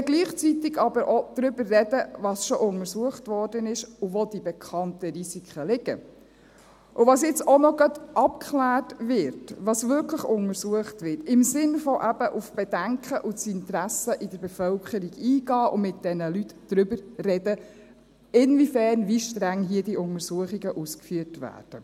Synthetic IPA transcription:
ɛɡ̥liːχt͡sitɪɡɑbəɾʔod̥̪ɾʏbərːɛdəvɑsʃɔʔʊŋəɾsuəχtʋɔɾd̥ənɪʃuvɔd̥̪ibɛkʰɑntəɾisikχəlɪɡ̥ə̰ | ʔʊvɑsjɛt͡sɔnɔɡɑtʔɑp̚kʰχlæːrtʋɪɾtʋɑsvʏɾkʰləχʊŋəɾsuəχtʋɪtɪmsɪnfɔʔæbəʔufb̥ɛdæŋkχəʔʊsɪntɾæsəʔid̥əɾbɛfœlkχəɾiɡiːɡ̥ɑːʔʊmɪt̚d̥ɛnəlytd̥ɾʏbəɾrɛdə | ɪnvifæːɾnviʃtɾæŋɦiːədiʊŋəɾsuəχiɡəʔuskfyətvæ̰ːɾd̥ə

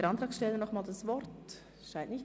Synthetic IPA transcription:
əɾɑntʁɑːksʃtɛlənɔχmaːldasvɔɾt | ʃaɪnʔnɪç

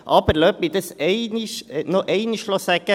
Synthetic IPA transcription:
ʔɑb̥əɾlœːp̚mid̪əsɛɪnɪʃnoʔɛɪniʃlosæɡ̥ə

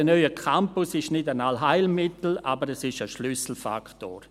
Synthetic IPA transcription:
ənɔʏəkʰampʊsɪʃnɪdanalɦaɪlmɪtl̩a̰ːbəɾɛsɪʃəʃlysl̩fa̰kto̰ːɾ

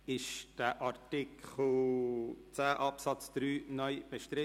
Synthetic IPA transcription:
ɪʃd̥əʔɑɾtɪkʰl̩ | t͡sæːʔɑpsɑt͡sd̪̥ɾyːnœʏb̥əʃtɾɪ

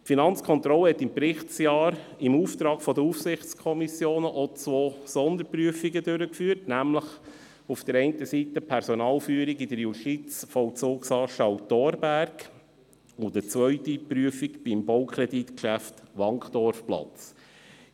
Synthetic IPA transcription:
tfinɑnt͡skʰχɔnt̪ɾɔləhɛt̪ːɪmpɾɪχtsjɑːɾ | ɪmuːft̪ɾɑːɡfɔdəufsɪχt͡skʰɔmisjoːnəʔɔt͡sʋɔːsɔnd̪əɾpɾyəfiɡədøɾəkfyːtnæmləχ | ufd̥̪əɾɛɪntəsit̪əpʰɛɾsɔnɑːlfyəɾiɡid̥̪əɾjuʃtit͡sfɔwt͡sʊːksɑːʃɑwtɔɾbæɾɡ | ʊd̥̪ət͡sʋœʏtipɾyəfikb̥ɪmbɔʊkχɾɛd̪it̪kʃæftʋɑŋkχd̥̪ɔɾfplɑ̰t͡s

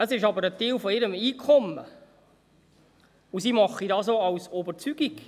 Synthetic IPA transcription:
əsɪʃɑbəɾətɪːlfɔɪɾəmiːkʰɔmə̰ | usiːmɑχidɑːsoːɑwsɔbəɾt͡syɡ̥iɡ̥

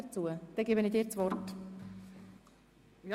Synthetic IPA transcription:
ət͡suəd̪̥ɛɡeːbənid̪ɪːɾt͡svɔɾt

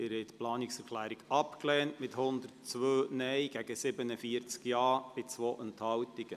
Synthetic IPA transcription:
ɪɾhɛɪt̪plɑːnɪksɛɾkʰlæːɾiɡɑpklɛːntmɪthʊnd̪ərtt͡sʋøːnɛjɡ̥æɡ̥əsɪbənəfiəɾt͡skjɑːb̥ɪt͡sʋoːʔɛnthɑwtiɡ̥ə

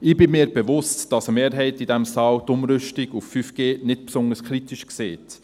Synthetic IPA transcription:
ɪːbɪmiːɾbɛʋʊstd̥ɑsəmeːɾɦɛɪtidɛmsɑːwtʊmɾʏʃtiɡuffyfɡ̥eːnɪtpsʊnəskʰχɾitiʃkseːt

